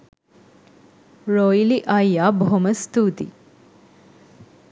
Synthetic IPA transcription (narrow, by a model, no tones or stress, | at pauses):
ɾojiliʔɐjjaːbɦoməst̪uːt̪ḭ